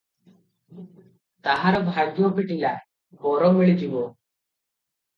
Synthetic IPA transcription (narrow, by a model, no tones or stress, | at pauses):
t̪aɦaɾbʱaɡjopiʈila | bɔɾɔmiɭid͡ʑiʋo